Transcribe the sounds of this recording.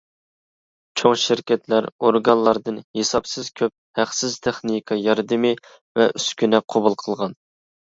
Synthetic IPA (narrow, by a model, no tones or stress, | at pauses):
t͡ʃʰoŋʃɪɾkʲɛt̪læɾoɾɡɑnlˠɑɾd̪ɨnhesɑpsɨz̥kʲʰøp̚hæqsɪzt̪ʰeχnɨkʰɑjɑɾd̪ɨmɨ | vɛʔyskʲynɛqʰobulˠqʰəlˠʁɑn